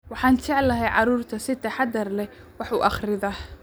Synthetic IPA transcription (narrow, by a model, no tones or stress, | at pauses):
wɑħɑːnt͡ʃɛʕlɐɦɛjʕɑɾuːrt̪ʰɐsɪt̪ʰɐħɑd̪ɐrlɛ | wɑħṵːʔɑχrɪðɐh